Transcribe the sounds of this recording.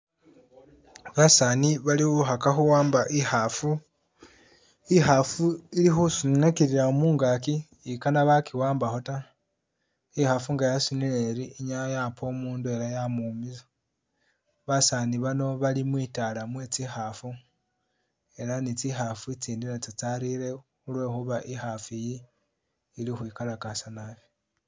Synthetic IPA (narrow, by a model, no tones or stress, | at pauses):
βasaːniβaliuxakaxuwaːmbaʔihafu | ihafuilixusunekiɾiɾaomuːŋɡakiː | kanaβakiwaːmbaxo̞ta | ihafuŋɡajasunileɾiːɲajapʰo̞muːndue̞ɾajamumiza | βasaniβano̞βalimwiːtalamwe̞t͡sixafu | e̞ɾanit͡sixafut͡siːndiɾat͡sit͡saɾiɾexulwe̞ːxuβaʔixafijiː | lixwiːkalakasanaβi̥